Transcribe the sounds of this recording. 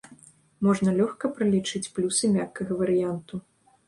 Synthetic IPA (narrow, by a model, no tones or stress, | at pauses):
mɔʐnɐlʲɔxkɐpɾɨlʲit͡ʂɨt͡sʲplʲusɨmʲakːɐɣɐvɐɾɨjant̪u